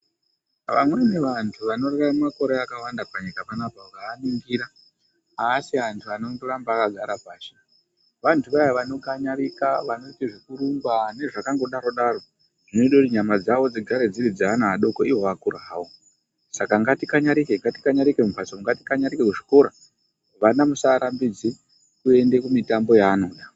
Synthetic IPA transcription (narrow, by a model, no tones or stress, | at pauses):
ʋa̰mwe̞ne̞ʋantʰuʋano̞rararemako̞ɾeakawandapaɲikapanapaʋaːniŋɡiɾa | asiantʰuanoŋdorambaːkaɡʱaɾapaːsi | ʋantʰuʋaʋaʋano̞kaɲaɾikaʋano̞tiʐikuɾumɡwane̞ʐakaŋɡo̞ɗaɾo̞ɗaɾo̞ | ʐ̥ino̞iɗoutiɲamad͡zaʋo̞d͡ziɡʱaɾe̞d͡zirid͡zaanaaɗo̞koiwoakuraːwo | sakaŋɡatikaɲaɾikeŋɡati̥kaɲaɾikemupasouŋɡati̥kaɲaɾikekuʐiko̞ɾa | ʋanamusaɾambid͡zi | kue̞nde̞kumitambo̞jaːno̞ːɗa